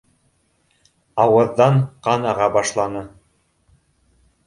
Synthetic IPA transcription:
ɑwɤ̆ðːɑɴqɑnɑʁɑbɑʃlˠɑnɤ

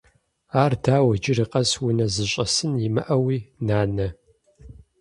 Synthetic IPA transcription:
aːrdʰaːwɐd͡ʒɪrɨqʼɐswʊnɐzɨɕʼɐsɨnimɐ̰ʔɐwiːnaːnɐ

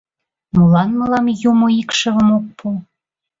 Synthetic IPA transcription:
mulɑnmə̆lɑmjumoikʃə̆βə̆mok̚pʰu

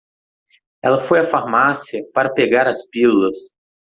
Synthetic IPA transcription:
ɛ̰lɐfojɐfaɾmasiɐpaɾɐpeɡaɾɐspiluɐs

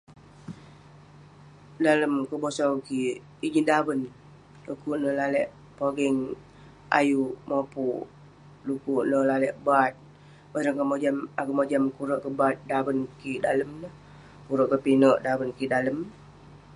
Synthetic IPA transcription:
daləmkəbosawki | id͡ʒidabən | lukuʔnəlalɛʔ | poɡɛŋ | a̰jumopuʔ | lukuʔnəlalɛʔbat̪̚ | baɾəŋkəmod͡ʒamakəmod͡ʒamkuɾəʔkəbat̪̚dabənkidaləmnə | kuɾəʔkəpinəʔdabənkidaləm

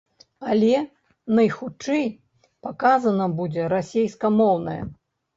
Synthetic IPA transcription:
alʲɛ | nɐjxut͡ʂɛj | pakazɐnɐbud͡zʲɛɾasʲejskɐmɔwnɐjɛ̰

